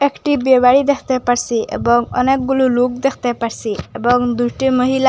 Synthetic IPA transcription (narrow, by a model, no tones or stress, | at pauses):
ekʈibebaɽid̪ekʰt̪epaɾsiḛbɔŋɔ̰nek̚ɡululuk̚d̪ekʰt̪epaɽsiebɔŋd̪ujʈiməɦila